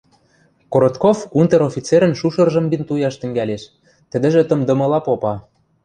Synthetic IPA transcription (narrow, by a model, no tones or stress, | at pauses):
koɾot̪kofunt̪eɾofʲit͡seɾə̆nʃuʃɤ̆rʒɤ̆mbint̪ujɑʃt̪ɘ̆ŋɡæleʃ | t̪ə̆d̪ə̆ʒĕt̪ɤ̆md̪ɤ̆mɤ̆lɑpopɑ